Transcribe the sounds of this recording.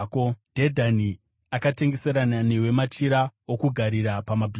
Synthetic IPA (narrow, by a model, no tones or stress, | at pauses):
kod̥ʱedʱani | akate̞ŋɡe̞seɾanane̞we̞mat͡ʃiɾaokuɡʱaɾiɾapamabʱi